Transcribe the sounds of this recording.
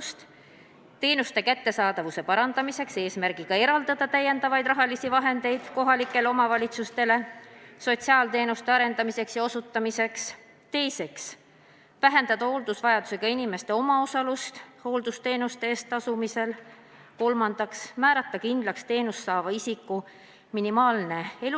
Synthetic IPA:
st̪ | t̪e̞ːnust̪e̞kæt̪ːe̞sɑːd̪ɑvuse̞pɑɾɑnd̪̥ɑmise̞kse̞ːsmæɾrɡ̥ikɑe̞ɾɑld̪̥ɑd̪̥ɑt̪æjːe̞nd̪ɑvɑjd̪̥rɑɦɑlisivɑɦe̞nd̪̥e̞jd̪̥ko̞ɦɑlikːˑe̞leo̞mɑvɑlʲit̪sust̪e̞le̞so̞t̪siɑːlt̪e̞ːnust̪e̞ɑɾe̞nd̪ɑmise̞ksjɑo̞sut̪ːɑmise̞ks | t̪e̞jse̞ks | væɦe̞nd̪̥ɑd̪̥ɑho̞ld̪̥usvɑjɑd̪̥use̞ɡ̥ɑinime̞st̪e̞o̞mɑo̞sɑlust̪ho̞ːld̪̥ust̪e̞ːnust̪eeːst̪ɑsumise̞l | ko̞lmɑnd̪̥ɑksmæːɾɑt̪ːˑɑkind̪̥lɑkst̪e̞ːnust̪ːɑːvɑisikːˑu | minimɑːlne̞el

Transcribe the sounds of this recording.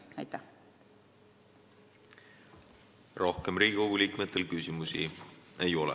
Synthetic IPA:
æjt̪ːˑæ | ro̞hkemɾiːɡ̥ʲiko̞ɡ̥uliːkmet̪ˑːe̞lkysimusḭe̞jo̞lɛ̰

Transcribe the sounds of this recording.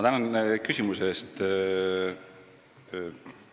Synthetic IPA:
ɑt̪ænɑnkysʲimusest̪

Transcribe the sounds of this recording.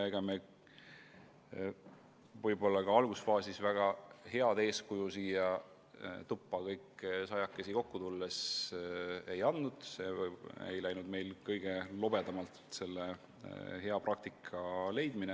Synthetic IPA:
eɡ̥ɑme | vɤjbo̞lːɑkɑɑlɡ̥usfɑːsisvæɡ̥ɑhe̞ɑd̪e̞ːskujusiːjɑ | t̪upːˑɑkɤjkːˑsɑjɑkːˑe̞siko̞kːut̪ulːe̞s | e̞jɑnd̪ːud̪̥se̞ḛjlæjnud̪me̞jlkɤjɡ̥e̞lo̞b̥e̞d̪ɑmɑlt̪se̞lːe | he̞ɑprɑk̚t̪ikʰːˑɑle̞jd̪̥mine

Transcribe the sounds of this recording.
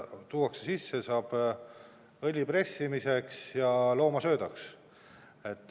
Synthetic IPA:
t̪uːwɑksesisːesɑːb̥ | ɤlʲipre̞sʲːimise̞ksjɑlo̞ːmɑsø̞ːd̪ɑks | e̞t̪ːˑ

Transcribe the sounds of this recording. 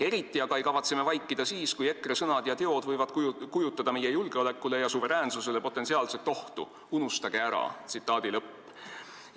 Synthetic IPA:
e̞ɾit̪ːˑiɑɡɑejkɑvɑt̪seme̞vɑjkːˑid̪̥ɑsiːskuje̞kːˑresɤnɑd̪̥jɑt̪e̞o̞d̪vɤjvɑd̪̥kujkujut̪ːˑɑd̪ɑmejejulɡ̥e̞o̞le̞kːˑule̞jɑsuve̞ɾæːnsuse̞le̞po̞t̪ːˑesiɑːlse̞lt̪ːˑo̞ht̪ṵ | unust̪ɑɡ̥e̞æɾɑ̰t̪sit̪ːˑɑːd̪̥ilɤpː

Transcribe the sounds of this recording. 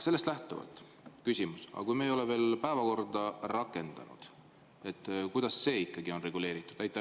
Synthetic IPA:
selːest̪læht̪uvɑ̰lt̪ˑ | kysʲimusɑ̰kujmeːjo̞leve̞ːlpæevɑko̞rd̪̥ɑrɑkːˑe̞nd̪̥ɑ̰nṵd̪̥ | e̞t̪ːˑkujd̪̥ɑsːe̞ːikːˑɑɡio̞nre̞ɡ̥ule̞ːɾit̪ːˑud̪̥æjt̪ːˑɑ

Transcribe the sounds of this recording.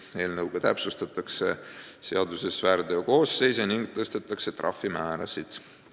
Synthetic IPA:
e̞ːlnɤwɡ̥ɑt̪æ̰psust̪ɑt̪ːˑɑkse̞̰se̞ɑd̪use̞svæːɾd̪̥eoko̞ːse̞jseniŋɡ̥̚t̪ɤst̪et̪ːˑɑkse̞t̪rʔɑ̰fːimæːɾɑ̰sid̪̥

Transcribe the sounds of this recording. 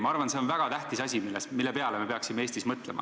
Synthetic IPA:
mɑɑrvɑnse̞onvæɡ̥ɑt̪æht̪isɑsʲimilːesmilːepe̞ɑleme̞peɑksimeeːst̪ismɤt̪le̞̰mʔɑ̰

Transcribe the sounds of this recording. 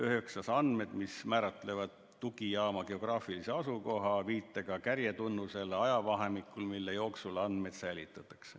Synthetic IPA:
øɦe̞ksɑsɑnd̪me̞d̪̥mismæːɾɑt̪ːˑle̞vɑd̪̥ːuɡ̥ijɑːmɑɡ̥e̞o̞ɡ̥rɑːfilise̞ɑsuko̞ɦɑviːt̪ˑːɑɡ̥ɑkærjet̪unːuse̞lɑjɑvɑɦemikːˑulmilːejo̞ːksulɑnd̪med̪̥sæjlit̪ːˑɑt̪ːˑɑ̥kse̥

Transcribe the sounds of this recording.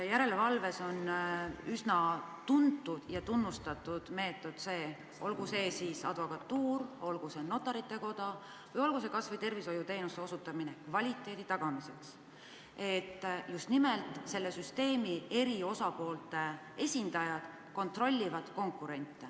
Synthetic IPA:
jæɾe̞levɑlve̞so̞nysnɑt̪unt̪ːˑud̪̥jɑt̪unːust̪ɑt̪ːˑud̪̥me̞ːt̪ːˑo̞d̪̥se̞ː | ʔo̞lɡuse̞ːsiːsɑ̰d̪̥vo̞kɑt̪ːuːɾo̞lɡ̥use̞no̞t̪ːˑɑɾit̪ːˑe̞ko̞d̪̥ɑ | vɯjo̞lɡ̥us̬e̞kɑsvɯjt̪e̞rviso̞jut̪e̞jnust̪e̞o̞sut̪ːˑɑminekvɑlʲit̪ːˑe̞ːd̪̥it̪ɑɡ̥ɑmise̞ks | e̞t̪ːjust̪nimelt̪ˑse̞lːe̞syst̪e̞ːmie̞ɾio̞sɑpo̞ːlt̪ˑe̞ | e̞sʲind̪̥ɑjɑd̪̥ | ko̞nt̪ro̞lʲːivɑd̪̥ko̞ŋkːˑuɾe̞nʲt̪ːˑe

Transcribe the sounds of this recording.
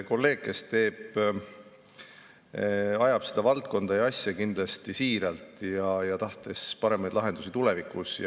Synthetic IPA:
ko̞lːe̞ːɡ̥̚kːe̞st̪e̞ːb̥ | ɑjɑb̥sed̪̥ɑvɑlt̪̚ko̞nd̪ɑjɑsʲjɑkind̪̥lɑst̪isiːɾɑlt̪ˑjɑjɑt̪ɑht̪e̞spɑɾe̞mɑjd̪lɑɦe̞nd̪̥usit̪ule̞vikˑusj

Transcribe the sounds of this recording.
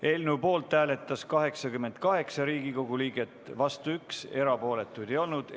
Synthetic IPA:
e̞ːlnuwpo̞ːlt̪ːˑæːle̞t̪ːˑɑskɑɦe̞ksɑkymːe̞nd̪̥̚kɑɦe̞ksɑɾiːɡiko̞ɡ̥uliːɡ̥e̞t̪ːˑvɑst̪uykse̞ɾɑpo̞ːle̞t̪ːˑujd̪̥e̞jo̞lnud̪̥

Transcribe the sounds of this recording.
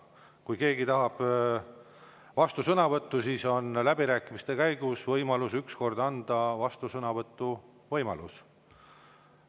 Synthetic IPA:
kujke̞ːɡit̪ɑɦɑb̥ | vɑst̪usɤnɑvɤt̪ːˑusiːso̞nlæbiɾæːkˑimist̪e̞kæjɡ̥usvɤjmɑlusyksko̞rd̪ɑnd̪̥ɑvɑst̪usɤnɑvɤt̪ːˑu | vɤjmɑ̰lus

